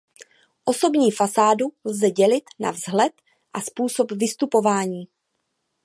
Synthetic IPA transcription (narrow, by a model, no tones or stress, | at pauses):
ʔo̞so̞bɲiːfasaːdulzɛɟɛlɪt̪na̰vzɦlɛt̪ | ʔaspuːso̞pvɪst̪upo̞vaːɲiː